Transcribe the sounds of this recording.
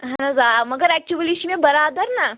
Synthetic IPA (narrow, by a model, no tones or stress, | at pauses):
ɦɐnɐzamɐɡəɾɛk̚t͡ʃuʋəliʃimẽbɐɾaːd̪əɾna